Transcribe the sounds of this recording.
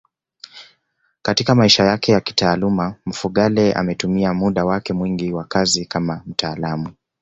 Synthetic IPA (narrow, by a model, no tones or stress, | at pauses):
katikamaiʃajakɛjaki̥taːlumam̩fuɠalɛa̰mɛtumiamuɗawakɛmwiŋɡiwakazikamam̩tʰaːlamu